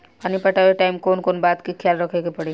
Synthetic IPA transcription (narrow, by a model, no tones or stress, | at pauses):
paːnipəʈaʋeʈaːɪmkoːnkoːnbaːd̪kikʰjaːlɾəkʰeɡepəɽe